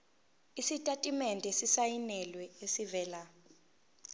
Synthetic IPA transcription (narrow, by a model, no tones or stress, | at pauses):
isitʼatʼimɛndʱɛsisajinɛlwɛesivɛːla